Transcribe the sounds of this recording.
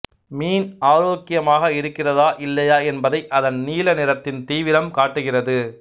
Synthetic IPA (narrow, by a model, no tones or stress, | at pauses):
miːnaːɾoːkːɪjɐmaːɣɐɪɾɯkːɪrɐðaːʔɪlːɐjaːɛnbɐðɐɪʔɐðɐnniːlɐnɪɾɐt̪ːɪnt̪iːʋɪɾɐmkaːʈːɯɣɪrɐðɯ